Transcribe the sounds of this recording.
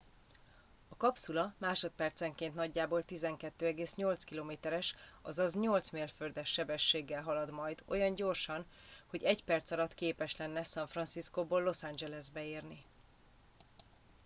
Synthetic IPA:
ɒkɒpsulɒmaːʃo̞t̪̚pɛrt̪sɛŋkeːnt̪nɒɟːaːboːlt̪izɛŋkɛt̪ːøːɛɡeːsɲo̞lt̪skiloːmeːt̪ɛɾɛʃ | ɒ̰zɒzɲo̞lt̪smeːlførd̪ɛʃːɛbɛʃːeːɡːɛlɦɒlɒd̪mɒjd̪o̞jɒɲɟo̞rʃɒn | ho̞ɟɛɟpɛrt̪sɒlɒt̪keːpɛʃlɛnːɛsɒɱfrɒnsiskoːboːlːo̞sand͡ʒɛlɛzbɛeːrni

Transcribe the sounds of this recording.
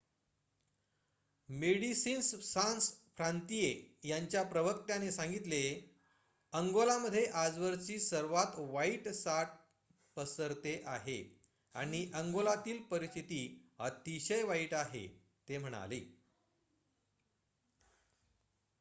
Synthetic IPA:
meɽisiːnssãnsfɾant̪ijejaɲt͡ɕjapɾəʋək̚t̪janesãŋɡit̪le | əŋɡolaməd̪ʱːjeʔad͡zʋəɾt͡ɕiːsəɾʋat̪ʋaiʈsaʈ̚ | pəsəɾt̪eʔaɦe | a̰ɽ̃iʔəŋɡolat̪iːlpəɾist̪it̪iːət̪iɕəjʋaiʈaɦḛ | t̪em̤əɽ̃a̰lḭː

